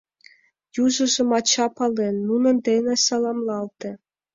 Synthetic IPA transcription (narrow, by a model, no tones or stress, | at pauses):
juʒɤ̆ʒɤ̆mɑt͡ɕɑpɑlenːunɤ̆nd̪enĕsɑlˠɑmlˠɑlt̪ĕ